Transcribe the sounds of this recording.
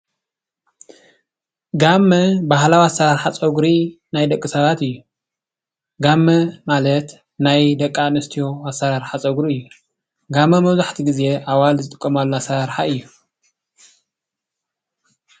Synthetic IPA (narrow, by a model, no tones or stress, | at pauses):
ɡamːɐbaɦlawiasːɐɾaɾħat͡sʼɐɡɾi | najd̪ɐkʼːɨsɐβat̪ɨjːu | ɡamːɐmalɐt̪ | najd̪ɐkʼːanɨst̪ʰijo̞asːɐɾaɾħat͡sʼɐɡɾiɨjːu | ɡamːɐmɐβzaħt̪ʰiɡize̞ʔaβalzɨt̪ʼɨkʼːɐmalːoasːɐɾaɾħaɨjːu